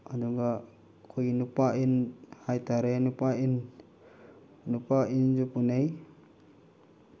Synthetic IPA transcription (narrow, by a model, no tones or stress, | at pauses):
aduŋɡa | kʰojinupaʔinhajt̪aɾenupain | nupaʔind͡ʒupunej